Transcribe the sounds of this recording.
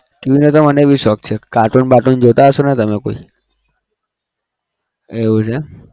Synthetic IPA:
keʋinət̪oməneeʋiʃɔk̚t͡ʃʰekaʈunbaʈund͡ʒot̪aɦəʃonet̪əmekoi | eʋũt͡ʃʰe

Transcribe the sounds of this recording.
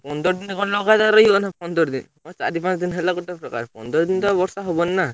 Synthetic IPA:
pɔnd̪ɔɾɔd̪inekʰɔnlɔɡat̪aɾɔjɔnapɔnd̪ɔɾd̪ḭn | mɔt͡ʃa̰ɾipãt͡ʃd̪inɦelaɡɔʈːapɾɔka̰ɾpɔ̰nd̪ɔɾɔd̪int̪ɔbɔɾsaɦobɔnːa

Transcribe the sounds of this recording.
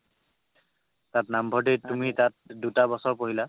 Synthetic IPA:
tatnambʱɔdejtumitat̚dutabɔsɔɹpoɦila

